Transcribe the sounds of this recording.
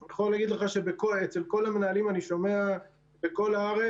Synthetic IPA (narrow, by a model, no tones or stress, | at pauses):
jeχoleaɡid̪leχaʃe̞bekoet͡se̞lko̞lamenalimaniʃo̞me̞a | beko̞laaʁe